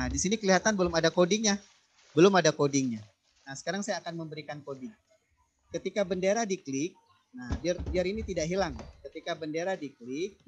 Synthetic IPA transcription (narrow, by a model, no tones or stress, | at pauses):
adisinikəliɦat̪anbəlʊmadakodɪŋjah | bəlʊmadakodɪŋɲa | nahsə̥kaɾaŋsajaːkanməmbəɾikankodɪŋ | kət̪ikabəndeɾadiklɪk̚ | nahdiardiaɾinit̪idaʔɦilaŋkət̪ikabəndeɾadiklɪk̚